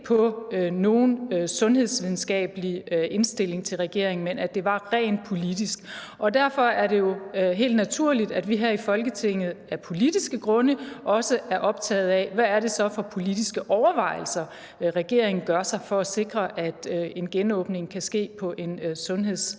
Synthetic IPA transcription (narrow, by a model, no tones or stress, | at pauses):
pʰɒ̽no̝ːnsɔ̽nhe̝ð̞ˠsʋiðˠn̩sɡ̥ɛ̰ːb̥əlie̝nsd̥e̝le̝ŋt͡sʰe̝lʁɛɡ̥e̝ɐeŋn̩menæd̥e̝ʋɑ̈ʁɛ̰ːnpʰo̝lid̥isɡ̥ | ʔɒ̽dæɐfɒ̽æɐɾe̝jo̝ɦe̝̰ːld̥næt͡sʰuɐ̰lid̥æd̥ʋiɦæ̰ifɒ̽lɡ̥ət͡sʰe̝ŋ̰ð̞̩ˠæɐpʰo̝lid̥isɡ̥əɡ̥ʁɔ̽nəʔɒ̽səæɐʔɒ̽b̥̚t͡sʰɛ̰ːð̞̩ˠɛʋæːɐɾe̝sɒ̽fɒ̽pʰo̝lid̥isɡ̥əʔɒʊɐʋɑ̈ɪ̰l̩sɐ | ʁɛɡ̥e̝ɐ̰e̝ŋn̩ɡ̥ɶɐsɑ̈ɪfɒ̽æse̝ɡ̥ʁɐʔæd̥e̝nɡ̥enɔ̽ːb̥ne̝ŋkʰæsɡ̥e̝̰ːpʰɒ̽ʔe̝nsɔ̽nɦe̝ð̰ˠs